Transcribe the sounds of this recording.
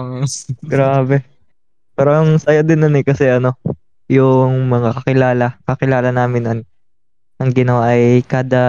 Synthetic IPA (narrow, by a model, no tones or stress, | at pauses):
ɡɾaːbɛ | pɛːɾoʔɐŋsɐjad̪ɪnːɐnɛkɐsɛʔɐno̞ | jʊŋmɐŋakɐkɪlaːlɐkɐkɪlaːlɐnaːmɪnːon | ʔɐŋɡɪnɐwaʔɐjkaːd̪ɐ